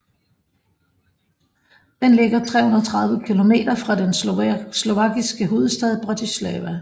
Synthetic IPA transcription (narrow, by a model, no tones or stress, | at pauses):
d̥enle̝ɡ̥ɐt͡sʰʁɛ̰ːhunɐɒt͡sʰʁɑ̈ð̞ˠʋəkʰilo̝me̝̰ːd̥ɐfʁɑ̈d̥enslo̝ʋɑ̈ɡ̥isɡ̥əɦo̝ːð̩ˠsd̥ɛð̞ˠb̥ʁɑ̈t͡sʰislɛːʋæ